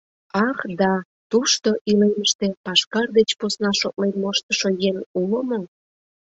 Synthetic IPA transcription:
ɑkd̪ɑ | t̪uʃt̪oʔileməʃt̪epɑʃkɑrd̪et͡ɕposnɑʃot̪̚lenmoʃt̪əʃojeŋuləmo

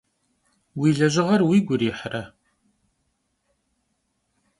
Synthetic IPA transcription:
wiːɮɐʑɪʁɐrwiːɡʷʊriħrɐ

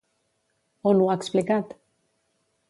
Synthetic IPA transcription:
onuaeksplikat̪

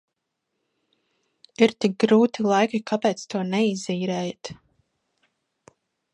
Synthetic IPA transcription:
iɾt̪ik̚ɡɾuːt̪ilˠajkʲikapɛːt̪st̪uɔnɛiziːɾɛːjat̪

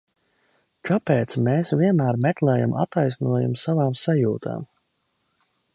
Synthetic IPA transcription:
kʰapeːt̪smeːsvʲiɛnmæːɾmɛklˠɛːja̰mʔa̰t̪ajsnuɔjumsavaːmsajuːt̪ʰa̰ːm

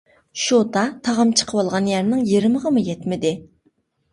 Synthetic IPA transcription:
ʃot̪ɑt̪ʰɑʁɑmt͡ʃʰə̥qʰəwɑlˠʁɑnjæɾnɪŋjiɾməʁɑmujɛt̪mɪd̪ɪ

